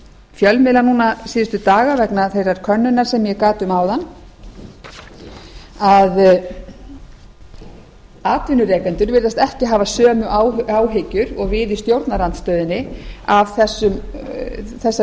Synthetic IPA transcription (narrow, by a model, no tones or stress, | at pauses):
fjœlmɪlanuːnasiːðʏst̪ʏt̪aːɣavɛknaθejɾaɾ̥kʰœnːʏnaɾ̥sɛmjɛkaːt̪ʏmaːwðanː | að | aːt̪vɪnʏɾɛːkant̪ʏɾvɪɾðast̪ɛhcɪɦaːvasœːmʏʔawaːwɦɪcʏɾɔɣvɪːðɪst̪jowɾt̪naɾant̪st̪œːðɪnːɪavθɛsːʏm | θɛsːa